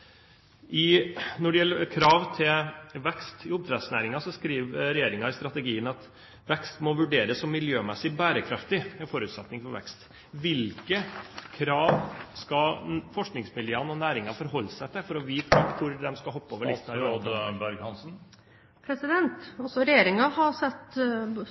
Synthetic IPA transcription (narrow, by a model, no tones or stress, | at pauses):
ʔɪnɔɖɛjɛlːəkʰɾɑːʋt̪ʰɪlʋɛkst̪ɪʊb̚t̪ʰɾɛd̪snæ̰ːɾɪŋɑsɔskɾiːʋɾɛjeːɾɪŋɑɪst̪ɾɑt̪əɡiːənɑt̪ | ʋɛkst̪mɔʋʉɖeːɾəsːɔmːɪljøːmɛsɪbæːɾəkʰɾɑft̪ɪɛfɔɾʉːt̪sɛt̪nɪŋfɔɾʋɛ̰kst̪ | ʋɪlkəkʰɾɑːʋskɑfɔʂknɪŋsmɪljøːənɔnæːɾɪŋɑfɔɾɦɔlːsæɪt̪ʰɪlfɔɾɔʋiːkɑkʰʊɾd̪ɛmskɑhɔpːəoːʋəɭɪst̪nɑbæɾɡhɑnsn̩ | pʰɾɛsɪd̪ɛnt̪ɔsɔɾɛjeːɾɪŋɑhɑɾsɛt̪ː